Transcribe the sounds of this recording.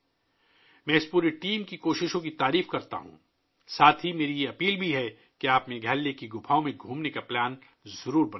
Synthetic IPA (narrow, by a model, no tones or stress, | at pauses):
mɛ̃ːɪspuːɾeʈiːmkikoːʃɪʃõkit̪aːɾiːfkɐɾt̪a̰ɦṵ̃ː | saːt̪ʰɦimeːɾijeɐpiːlbʱiɦɛ | keaːpmẽɡʱɛːlːekiɡʊpʰaːõmẽɡʱũːmnekaplɛːn | zɐɾuːɾbɐn